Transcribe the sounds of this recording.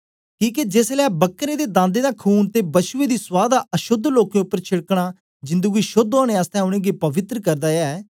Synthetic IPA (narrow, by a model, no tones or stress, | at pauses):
kĩːked͡ʒeːslɛːbəkːɾẽːd̪eːd̪ãːnd̪eːd̪aːkʰuːnt̪eːbəʃʊeːd̪iːswaːd̪aʔəʃʊd̪ʱloːkẽːʊpːəɾt͡ʃʰɪɽkɽ̃aː | d͡ʒɪ̃nd̪əɡiːʃʊd̪aːɽ̃ẽːaːst̪ɛ̃ːʊɽ̃ẽːɡeːpəʋɪt̪ɾəkəɾd̪aːjaɛ